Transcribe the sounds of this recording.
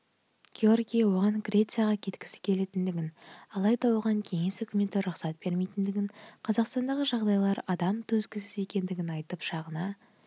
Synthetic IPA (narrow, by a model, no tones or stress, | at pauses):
ɡ̥ʲeo̞rɡʲijawo̞ʁɑŋɡɾʲe̞t̪sɨjaʁɑkʲʰe̞t̪kʲɪ̥sɪ̥kʲʰe̞le̞t̪ɪnd̪ɪɡʲɪnɑlˠɑjd̪ɑwoʁɑŋkʲʰe̞ŋe̞sɵkʲɪme̞t̪ːɪɾʊqsɑt̪̚b̥e̞ɾme̞jt̪ɪnd̪ɪɡʲɪnqʰɑzɑqst̪ɑnd̪ɑʁəʒɑʁd̪ɑjlˠɑɾɑd̪ɑmt̪ʰɵzɡʲɪsɪze̞kʲe̞nd̪ɪɡʲɪnɑjt̪əpʃɑʁənɑ